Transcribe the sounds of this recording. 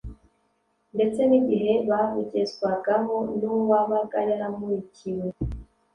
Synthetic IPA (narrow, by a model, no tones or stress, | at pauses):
nde̞t͡se̞niɟiɦe̞βavuɟezɡwaɡaɦo̞nuβaβaɡaɾaɾamuiciwe